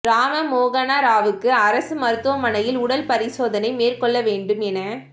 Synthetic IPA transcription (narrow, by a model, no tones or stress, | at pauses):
ɾaːmɐmoːɣɐnaːɾaːʋɯkːɯɐɾɐsɯmɐɾɯt̪ːɯʋɐmɐnɐjɪlʊɽɐlpɐɾɪsoːðɐnɐɪmeːrkɔɭːɐʋeːɳɖɯmɛnɐ